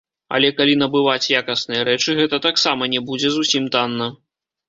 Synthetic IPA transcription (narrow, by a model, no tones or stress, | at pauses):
ɐ̰lʲɛkalʲinɐbɨvat͡sʲjakɐsnɨjɐɾɛt͡ʂɨɣɛt̪ɐt̪aksamɐnʲɛbud͡zʲɛzusʲimt̪anːɐ